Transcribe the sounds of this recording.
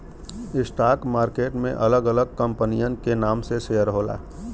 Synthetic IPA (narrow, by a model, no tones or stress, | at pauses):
ɪsʈaːkmaːɾkeːʈmḛ̃ʔɐləɡələɡ̚kə̃mpənijənkenaːmseseəɾɦoːla̰ː